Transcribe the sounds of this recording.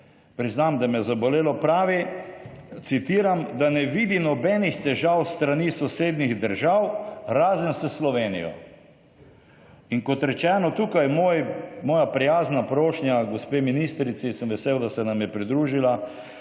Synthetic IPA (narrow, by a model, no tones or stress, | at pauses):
pɾiznamd̪amɛzabɔleːlɔpɾaːʋi | t̪sit̪iːɾamd̪anɛʋid̪inɔbɛːnixt̪ɛʒawst̪ɾaniːsɔseːd̪niɣd̪əɾʒawɾaːzənsɛslɔʋeːnḭjɔ̰ | iŋkɔt̪ɾɛt͡ʃɛːnɔt̪uːkajmoːjmɔːjapɾijaːznapɾoːʃnjaɡɔspeːminist̪ɾit̪sisəmʋɛseːwd̪asɛnamjɛpɾid̪ɾuːʒila